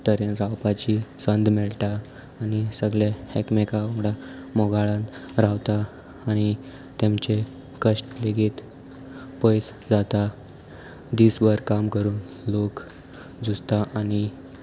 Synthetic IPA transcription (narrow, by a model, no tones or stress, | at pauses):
t̪əɾenɾawpat͡ɕisənd̪mɛɭʈaː | ñisəɡɭehekmekaoɡɽamɔɡaɭãnɾawt̪aː | ɽ̃i | t̪emt͡ɕe | kəʂʈleɡiːt̪ | pəjs | d͡zat̪a | d̪isbəɾkamkəɾuːn | lok | d͡zust̪aʔaɽ̃i